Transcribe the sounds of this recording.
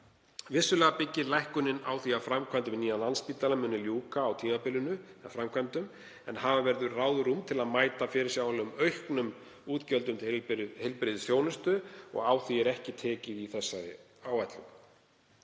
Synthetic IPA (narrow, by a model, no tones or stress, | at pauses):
vɪsːʏlɛːɣapɪcːɪɾlajhkʏnːɪna̰ːwθiafɾamkʰvajnt̪ɪvɪniːanlanspiːt̪lalamʏnːɪljuːkaːwt̪ʰiːmapɪlʏnʏafɾamkʰvajnt̪ʏm | ɛnɦavavɛɾðʏɾraːwðʏɾumt̪ʰɪlaðmaːjt̪afɪɾɪɾsjaawlʏmœɥhknʏm | uːt̪cœlt̪ʏmt̪hɪlpɾɪðʏsjoːwnɪst̪ʏɔ̰ɣaːwθiɛɾɛhcɪt̪ʰɛːcɪðiθɛsːaðɪ̰ | aːwajt̪lʏm